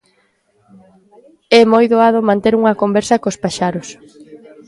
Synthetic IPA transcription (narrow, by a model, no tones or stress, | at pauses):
ɛmojðoaðomãnt̪eɾuŋɐkombɛɾsɐkospaʃaɾos